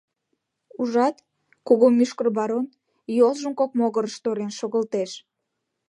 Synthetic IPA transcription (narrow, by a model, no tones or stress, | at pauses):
uʒɑt̪ | koɣomyʃkərbɑɾon | jolʒəmkok̚moɣəɾəʃt̪oɾenʃoɣəlt̪eʃ